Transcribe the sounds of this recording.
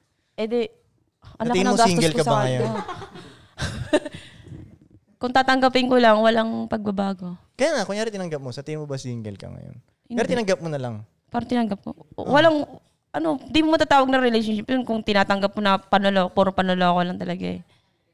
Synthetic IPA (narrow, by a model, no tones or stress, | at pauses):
ɛd̪ɛ | ʔɐllɐk̪ːmɐsɡaːŋoɡɛlkɐsɐɐjo | kʊŋt̪aːt̪ɐŋɡɐpɪnkolɐŋwɐlaŋpɐɡ̚bɐbaːɡo | kɐjaːŋɐkʊŋjaːɾɪt̪ɪnɐŋɡɐp̚mosɐt̪iːmobɐsiŋɡɛlkɐ̰ŋɐ̰jo̰n | ɪaɾɪt̪ɪnɐŋɡɐp̚monɐlɐ̰ŋ | paːɾɐŋt̪ɪnɐŋɡɐp̚ko̰wɐlaŋ | ʔɐno̞ɪnd̪iːmomɐt̪aːt̪aːwɐɡ̚nɐŋɾɛlejʃ̬onʃɪpjʊnkʊŋt̪ɪnaːt̪ɐŋɡɐp̚konɐpɐnolopoɾɐŋpɐnoloɐkolɐŋt̪ɐlɐɡa̰ɛ